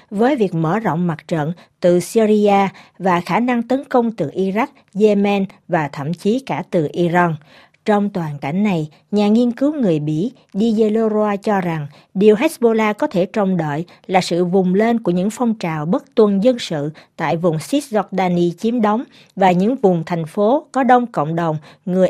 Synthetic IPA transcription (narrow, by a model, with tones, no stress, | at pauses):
vəː˨˦jvi˨˩ək̚məː˧˩zɔ̰˧˨wŋ͡mma˨˩t̚t͡ɕə̰˧˨n | t̪ɨ˨˩si˧zi˧aː˧vaː˨˩xaː˧˩na˧ŋt̪ə˨˦nkə˧wŋ͡mt̪ɨ˨˩ʔi˧za˦˥k̚ze˧mɛ˧nvaː˨˩t̪ʰə̰˧˩˨mt͡ɕi˨˦kaː˧˩t̪ɨ˨˩ʔi˧za˧n | t͡ɕɔ˧wŋ͡mt̪waː˨˩nka̰˧˩jŋ̟na˨˩j | ɲaː˨˩ŋi˧ənkɨ˨˦wŋɨ˨˩əjɓḭ˧˥ | ɗi˧ze˧lo˧zaː˧t͡ɕɔ˧za˨˩ŋ | ɗi˨˩əwɦɛ˦˥t̚ɓo˧laː˧kɔ˨˦t̪ʰe˧˩t͡ɕə˨˩wŋ͡mɗə̰ː˧˨j | laː˨˩sɨ̰˧˨vʊ˨˩ŋ͡mle˧nku˧˩əɲɨ̰˧˥ŋfɔ˧wŋ͡mt͡ɕaː˨˩wɓə˦˥t̚t̪wə˨˩nzə˧nsɨ̰˧˨t̪a̰ː˧˨jvʊ˨˩ŋ͡msi˦˥t̚zɔ˧k̚ɗaː˧ni˧t͡ɕi˨˦əmɗə˨˦wŋ͡m | vaː˨˩ɲɨ̰˧˥ŋvʊ˨˩ŋ͡mt̪ʰɛ˨˩jŋ̟fo˨˦kɔ˨˦ɗə˧wŋ͡mkə̰˧˨wŋ͡mɗə˨˩wŋ͡mŋɨ˨˩əj